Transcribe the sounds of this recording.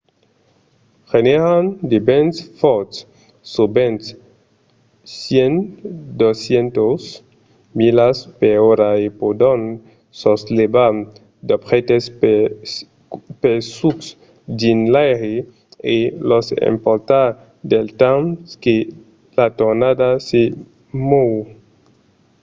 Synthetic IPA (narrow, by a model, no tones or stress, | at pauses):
xeneɾand̪ebensfɔt̪sː | obent̪s | sjend̪osjent̪os | milaspeoɾaepod̪on | soslebam | d̪opχet̪es | pesuks | dinlajɾe | elosḛmpoɾt̪a | d̪elt̪amske | lat̪oɾnad̪ase | mow